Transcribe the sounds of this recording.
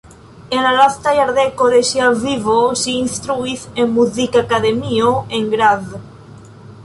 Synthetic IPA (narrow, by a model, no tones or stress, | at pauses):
enalaθt̪ajaɾðekoɾeʃjalviβosiinst̪ɾuiθemmuθikakaðemioẽŋɡɾað